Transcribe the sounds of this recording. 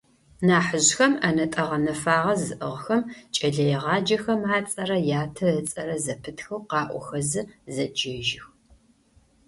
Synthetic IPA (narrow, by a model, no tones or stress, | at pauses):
naːħəʑxɐmɐnɐtʼɐʁɐnɐfaːʁɐzɨʔɨʁxɐmt͡ʃʼɐɮɐjɛʁɑːd͡ʒɐxɐmaːt͡sʼɐrɐjaːtʰɐət͡sʼɐɾɐzɐpʰɨtʰxɐwqɑːʔʷɔ̰xɐzɨzɐd͡ʒɐʒɪx